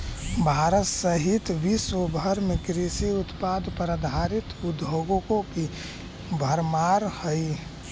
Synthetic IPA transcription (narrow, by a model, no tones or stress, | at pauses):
bʱaːɾət̪səɦit̪ʋisobʱəɾmekɾisiʊt̪pad̪ʱpɾəd̪ʱaɾɪt̪ʊd̪oɡõkõki | bʱəɾmaːɾhəi